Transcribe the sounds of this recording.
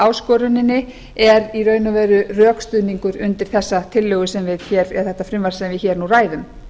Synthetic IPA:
aːwskɔːɾʏnɪnːɪ | ɛɾirœːɥnʏvɛːɾʏrœːkst̪ʏːðniŋkʏɾʏnt̪ɪɾ̥θɛsːat̪ʰɪlːœɣʏsɛmvɪðçɛːɾɛ̥θɛht̪ːafɾɪmvaɾ̥sɛmvɪðçɛːɾnuraːjðʏm

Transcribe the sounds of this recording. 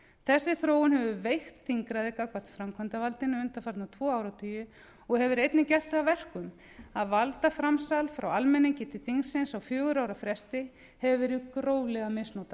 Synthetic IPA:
θɛsːɪθɾoːwʏnhɛvʏvejxt̪θiŋkɾaðɪkakvar̥t̪fɾamkʰvant̪avalt̪ɪnʏʏnt̪afaɾ̥t̪nawt̪ʰvɔːaːwɾawt̪ʰyːjʏ | ɔɣhɛvʏɾejt̪nɪcɛr̥t̪θavvɛr̥kʏm | aðvalt̪afɾamsalfɾawalmɛniŋcɪt̪ʰɪ̥θiŋsɪnsawfjʏːɣʏɾaːwɾafɾɛst̪ɪ | hɛvʏvɛɾɪkɾoːwlɛɣamɪsnowt̪a

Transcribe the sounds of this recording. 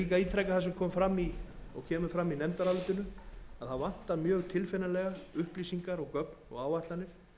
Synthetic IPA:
iːkaiːt̪ʰɾɛkaθas̬ɛmkʰɔːmfɾamːiɔ̰ɣcʰɛːmʏfɾamːinɛmt̪aɾalɪt̪ʏnʏaðθaðvan̥t̪amjœːɣt̪ʰɪlfɛnalɛɣaʏhpliːsiŋkaɾɔɣkœknɔ̰ɣaːwvaht̪lanɪɾ̥

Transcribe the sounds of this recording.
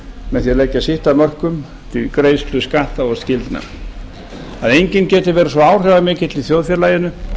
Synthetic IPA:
mɛnθjɛlɛcːasɪht̪amœr̥kʏm | t̪ʰɪlkɾeːjsk̪lʏskaht̪aɔscɪlt̪na̰ | aðejɲcɪncɛːt̪ɪɾvɛːɾasvɔaːwr̥ɛvamɪːcɪt̪liθjowðfjɛɾlaːjɪnʏ

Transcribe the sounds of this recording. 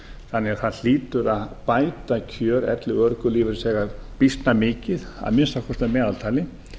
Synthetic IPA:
θanːɛɣaɾ̥θaðl̥iːt̪ʏɾaðpaːjt̪acʰœːɾɛ̰t̪lɪœɾkʏliːvɪɾsɛːɣapist̪namɪːcɪða̰ðmɪnst̪akʰɔst̪amɛːðalt̪ʰaːlɪ

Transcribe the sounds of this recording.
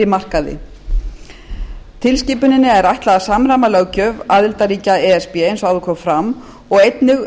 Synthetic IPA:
ɪmar̥kaðɪ̰ | t̪ʰɪlsciːpʏnɪnːɪɛɾajht̪laðasaːmɾamalœɣcœːvaːðɪlt̪aɾiːcaɛɛspɛejnsawðʏkʰɔmfɾamː | ɔɣejt̪nʏɣ

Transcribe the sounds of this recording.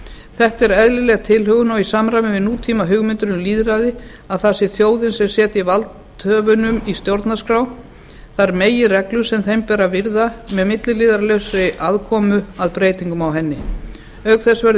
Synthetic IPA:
θɛht̪ɛɾɛðlɪlɛːɣt̪ʰɪlɦœɣʏnɔwisamɾajmnɪvɪnuːt̪ʰiːmaɦʏɣmɪnt̪ʏɾɪnʏliːðɾaðɪ | aðθasɪθjoːwðɪnsɛmsjɛːt̪ɪivalt̪ | hœːvʏnʏmist̪jowɾt̪naskɾaw | θaɾmeːjɪrɛklʏsɛmθejmpɛːɾavɪɾðamɛðmɪt̪lɪlɪːðaɾlœɥsɾɪʔaðkʰɔːmʏaðpɾeːjt̪iŋkʏmawɦɛnːɪ | œkθɛsvɛɾð

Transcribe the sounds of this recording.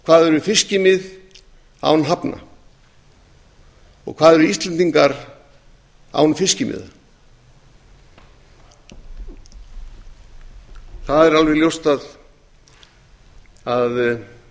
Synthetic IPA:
kʰvaːðɛɾʏfɪscɪmɪð | a̰wnɦapna̰ | ɔ̰ɣkʰv̥aːðɛɾʏist̪lɛnt̪iŋkaɾ | a̰wnfɪscɪmɪ̰ða̰ | θaðɛɾalvɛɣljowst̪að | að

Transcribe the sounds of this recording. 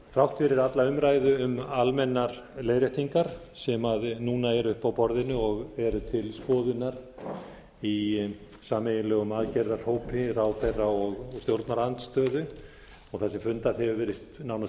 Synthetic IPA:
fɾawht̪fɪɾɪɾat̪laʏmɾaːjðʏʏmalmɛnːaɾlejɾjɛht̪ʰiŋkaɾ̥ | sɛmaðnuːnaɛɾʏhpawpɔɾðɪnʏɔɣɛɾʏt̪ʰɪlskɔːðʏnaɾ | i | saːmejɪnlœːɣʏmaðcɛɾðaɾ̥hoːwpʰɪɾawθejrːaɔɣst̪jowɾt̪naɾant̪st̪œːðʏ | ɔɣθasɛmfʏnt̪aðɛvʏvɛːɾɪst̪nawna

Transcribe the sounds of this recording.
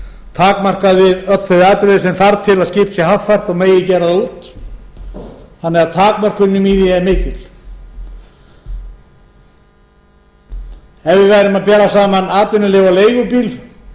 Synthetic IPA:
t̪ʰaːkmar̥kaðvɪðœt̪θɛvɪaːt̪ɾɪðɪsɛmθaɾt̪ʰɪlaðscɪːpsjɛhaft̪far̥t̪ɔɣmeːjɪcɛːɾaðut̪ | hanːɛɣat̪ʰaːkmar̥kʏnːʏmiːðɪɛmɪːcɪl | ɛvɪvaːjɾɪmaðpɛːɾasaːmanaːt̪ɪnʏlɪːɣvaleːjɣʏpiːl

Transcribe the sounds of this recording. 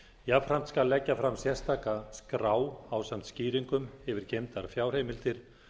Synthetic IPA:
javfɾam̥t̪skalːɛcːafɾamsjɛ̥st̪ʰaːkaskɾaːwawsam̥t̪sciːɾiŋkʏmɪvɪɾcejmt̪aɾfjaːwr̥ejmɪlt̪ɪɾ̥

